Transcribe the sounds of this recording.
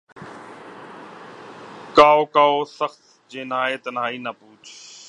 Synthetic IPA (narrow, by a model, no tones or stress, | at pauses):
kaːoːkaːoːsəxt̪ | d͡ʒeːnaːeːt̪ənaːiːnəpuːt͡ʃʰ